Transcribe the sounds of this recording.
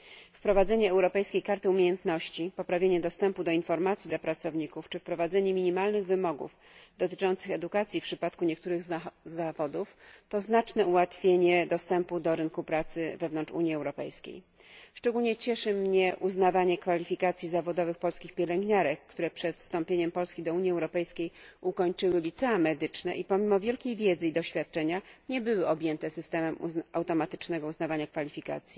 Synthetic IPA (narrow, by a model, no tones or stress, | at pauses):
fpɾɔvad̪zɛɲɛːwɾɔpɛjskʲejkaɾt̪ɘumʲjejɛnt̪nɔɕt͡ɕipɔpɾavʲjeɲɛd̪ɔst̪ɛmpud̪ɔinfɔɾmat̪sʲid̪lapɾat̪sɔvɲikuft͡ʂɘfpɾɔvad̪zɛɲɛmʲiɲimalnɘɣvɘmɔɡṵf | d̪ɔt̪ɘ̥t͡ʂɔnt̪sɘxɛd̪ukat̪sʲjifpʂɘpat̪kuɲɛk̚t̪uɾɘɣzavɔd̪uft̪ɔznat͡ʂnɛuwat̪fʲjeɲɛd̪ɔst̪ɛmpud̪ɔɾɘŋkupɾat̪sɘvɛvnɔnt͡ʂṵɲiɛwɾɔpɛ̰jskʲḛj | ʂt͡ʂɛɡulɲɛt͡ɕɛʂɘmɲɛʔuznavaɲɛkfalʲifʲikat̪sʲjizavɔd̪ɔvɘxpɔlskʲixpʲjɛlɛŋɡɲaɾɛkːt̪uɾɛpʂɛt̪fst̪ɔmpʲjeɲɛmpɔlskʲid̪ɔuɲjiɛwɾɔpɛjskʲejʔukɔɲt͡ʂɘwɘlʲit̪sɛamɛd̪ɘt͡ʂnɛʔipɔmʲimɔvʲjɛlkʲejvʲjɛd̪zɘid̪ɔɕfʲjat̪̚t͡ʂɛɲaɲɛbɘwɘɔbʲjɛnt̪ɛsɘst̪ɛmɛmuawt̪ɔmat̪ɘ̥t͡ʂnɛɡɔuznavaɲakfalʲifʲika̰t̪sʲji